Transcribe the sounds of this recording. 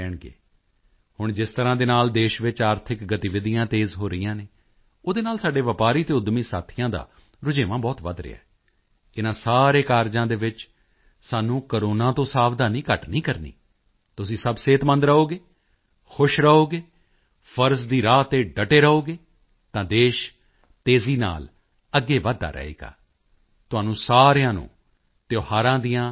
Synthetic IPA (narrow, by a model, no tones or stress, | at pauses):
ɛːɳɡḛː | hʊɳd͡ʒɪst̪əɾãːd̪eːnaːld̪eːʃʋɪt͡ʃaːɾt̪ʰɪkɡət̪iʋɪd̪ɪjãːt̪eːzɦoːɾɪijãːneː | oːd̪eːnaːlsaːɖeːʋəpaːɾiːt̪eːʊd̪mĩːsaːt̪ʰɪjãːd̪a̰ː | ɾʊd͡ʒeːʋãːbɔːt̪ʋə̰d̪ɾɪ̰ːa̰ː | ɪnãːsaːɾeːkaːɾd͡ʒãːd̪eːʋɪt͡ʃ | saːnũːkəɾoːnãːt̪õːsaːʋd̪aːnĩːkəʈnĩːkəɾnḭː | t̪ʊsĩːsəbseːt̪mə̃nd̪ɾəoːɡeː | xʰʊʃɾəoːɡeː | pʰəɾsd̪iːɾaːt̪eːɖəʈeːɾəoːɡeː | t̪ãːd̪eːʃ | t̪eːziːna̰ːl | əɡːeːʋaːd̪a̰ːɾɛ̰ːḛːɡa̰ː | t̪ʊãːnũːsaːɾjãːnṵ̃ː | t̪ɪjoːɦaːɾãːd̪ijãː